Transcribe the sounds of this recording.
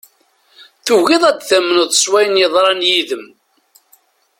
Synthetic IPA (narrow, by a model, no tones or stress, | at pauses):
θuɣiðˤæd̪θæmːənəðˤsˤwæjənjəðˤɾˤɑnjiðəm